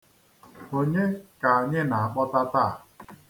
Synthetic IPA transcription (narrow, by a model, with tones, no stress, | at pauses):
ho˨ɲe˦ka˨ɲe˦na˨a˨k͡pɔ˦ta˦ta˦˨